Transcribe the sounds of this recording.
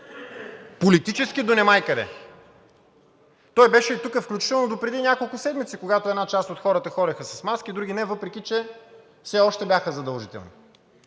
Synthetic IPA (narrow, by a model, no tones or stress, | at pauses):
polit̪it͡ʃɛsk̟id̪onɛmajkɐd̪ɛ̰ | t̪ɔjbɛʃɛit̪ukəfklʲut͡ʃi̥t̪ɛlˠnod̪opɾɛd̪inʲjakolˠkʊsɛd̪mit̪sikoɡat̪oɛd̪nat͡ʃast̪ot̪xɔɾət̪əxɔɾɐxəsɐsmaskid̪ɾuɡʲinɛvɤpɾɛkʲit͡ʃɛ | fsɛɔʃt̪ɛbʲjaxəzɐd̪ɐlˠʒit̪ɛ̰lˠnḭ